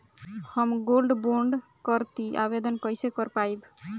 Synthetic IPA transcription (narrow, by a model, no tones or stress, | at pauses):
həmɡolɖboɳɖkəɾt̪iʔa̰bed̪ənkəjsekəɾpaib